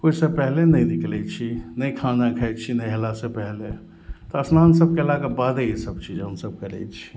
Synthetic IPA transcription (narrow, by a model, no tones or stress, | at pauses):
koisəpɛɦlenəjd̪ikʰlɛt͡ʃʰinəjkʰãnakʰɛɪt̪t͡ʃʰinɛjɦelasẽpɛɦle | t̪ɔəsnansəb̚kelaɡebad̪eisəbt͡ʃʰid͡ʒɦənsəb̚kəlɛ̰t͡ʃʰi̥